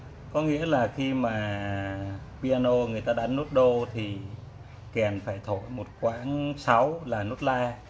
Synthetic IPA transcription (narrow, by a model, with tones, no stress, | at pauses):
kɔ˨˦ŋḭ˧˥əlaː˨˩xi˧maː˨˩ | ɓi˧aː˧no˧ŋɨ˨˩əjt̪aː˧ɗaː˨˧˦nːo˦˥t̚ɗo˧t̪ʰi˨˩ | kɛ˨˩nfaː˧˩jt̪ʰo˧˨jmo˨˩t̚kwa̰ː˧˥nsa˨˦wlaː˨˩no˦˥t̚laː˧